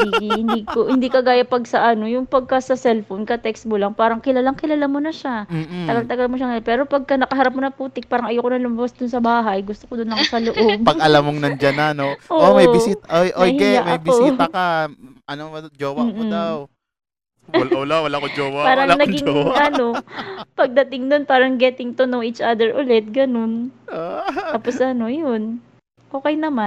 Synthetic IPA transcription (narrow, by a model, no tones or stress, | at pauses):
ihɪnd̪iːkohɪnd̪iːkɐɡaːjɐpɐɡ̚sɐʔɐno̞jʊŋpɐɡ̚kɐsɐsɛlfonkɐt̪ɛksmolɐŋpaːɾɐŋkɪlalaŋkɪlalamonɐʃat̪ɐɡalt̪ɐɡalmoʃɐŋɐjonpɛːɾo̞pɐɡ̚kɐnɐkɐɦɐɾap̚monɐpuːt̪ɪk̚paːɾɐŋɐjokonɐlʊmɐbasd̪ʊnsɐbaːɦɐjɡʊst̪okod̪ʊnlɐŋsɐloʔob̚pɐʔɐlamoŋnɐd͡ʒananoʔoomɐjɪsiːt̪ʔojʔojhkɛamɐjbɪosiːt̪ɐka | ʔɐnod͡ʒoːwɐmːod̪aw | lʔolawɐlaːkod͡ʒowɐpaːɾɐŋnɐɡɪŋɐno̞pɐɡ̚d̪ɐt̪ɪŋd̪onpaːɾɐŋɡɛːt̪ɪŋt̪onoŋit͡ʃʔad̪ɛɹʔʊlɛt̪̚ɡɐno̞n | t̪aːposʔɐno̞jon | ʔo̞ːkɛjnɐma